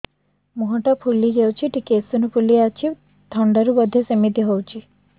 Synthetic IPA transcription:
muɦɔʈɔpʰulid͡ʒewt͡ʃʰiʈikesunupʰuliat͡ʃʰi | t̪ʰɔɳɖɔɾubɔd̪ʱːjesemit̪iɦowt͡ʃʰi

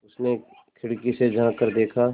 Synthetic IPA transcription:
ʊsne | kʰɪɽkised͡ʒãkəɾd̪eːkʰaː

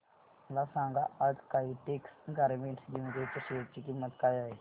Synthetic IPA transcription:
məlasãŋɡaʔaʈʰkaɦiʈeksɡaɾmeɳʈsɡiŋɡet̪əɕeʈ̚t͡ɕiːkimːət̪kaːjaɦe

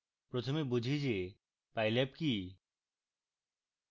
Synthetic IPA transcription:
pɾot̪ʰomebud͡ʑʱid͡ʑe | pajlep̚ki

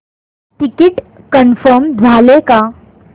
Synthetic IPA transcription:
ʈikiʈ | kənfəɾmd͡zʱaleka

